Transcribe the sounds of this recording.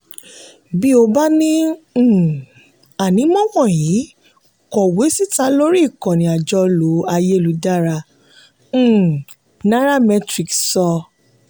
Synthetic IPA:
bi˦o˧ba˦nĩ˦˨ | a˨nĩ˨˦mɔ̃˦wɔ̃˦˨jiː˨˦ | kɔ˨we˨˦si˦ta˧˦lo˦ɾi˦i˦˨kɔ̃˨nĩ˨a˨d͡ʒɔ˧lo˨˦a˧je˦lu˨˦da˦ɾã˧˦˨ | nã˦ɾa˦mɛ˧tɾi˨ksɔ˧

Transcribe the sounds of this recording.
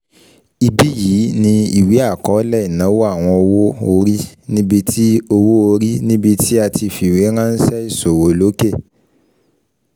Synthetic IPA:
i˧bi˦jiː˨˦nĩ˧i˨wi˨˦a˦˨kɔ˨˦lɛ˦i˨nã˨˦wo˦a˦˨w̃ɔ̃˧o˧wo˦o˧ɾi˦nĩ˦bi˧tʰi˦o˧wo˦o˧ɾi˦nĩ˦bi˧tʰi˦a˧ti˧fi˨wi˨˦ɾ̃ã˦n̩˦sɛ˦i˦˨so˨wo˨lo˨˦ke˦˨

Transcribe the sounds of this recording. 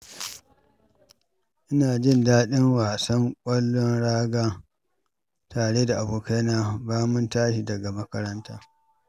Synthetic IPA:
ʔɪ˦naː˨d͡ʒɪ˦˨ndaː˦ɗɪ˦ŋwaː˨sɐ˦ŋkʷʼɐ˦lːɔ˦nɽaː˦ɡaː˦ | taː˨ɽeː˦da˨ʔa˨buː˨ka˦naː˨baː˦mʊ˦ntaː˦ʃi˨dɐ˨ɡa˨mɐ˦kɐ˦ɾɐ˦ntaː˦

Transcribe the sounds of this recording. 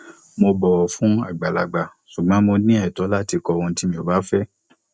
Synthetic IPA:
mo˧bɔ˨ɔ˨fũ˨˦a̰˦˨ɡ͡ba˨la̰˨ɡ͡ba˨ | su˨ɡ͡bã˨˦mo˧nĩ˦ɛ˦˨tɔ˨˦la˦ti˧kɔ˧wɔ̃˧n̩˦ti˦mĩ˧˨o˨ba˦fɛ˦

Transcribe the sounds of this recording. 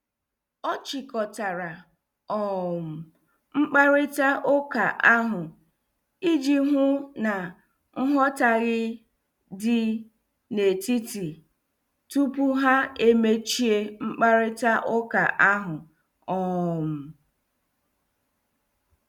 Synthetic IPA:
ɔ˦t͡ʃɪ˨kɔ˨ta˨ɾa˨ | ɔ˦m̩˨ | ŋ͡m̩˦k͡pa˦ɾɪ˦ta˦ʔʊ˦ka˨ʔa˦ɦʊ˨ | i˦d͡ʒi˦ɦʊ˦na˨ | ŋ̩˦ɦɔ˦ta˨ɣɪ˦ | dɪ˦ | ne˨ti˦ti˨ | tu˦pu˦ɦa˦e˦me˦t͡ʃi˦e˦ŋ͡m̩˦k͡pa˦ɾɪ˦ta˦ʔʊ˦ka˨ʔa˦ɦʊ˨ | ɔ˦m̩˨

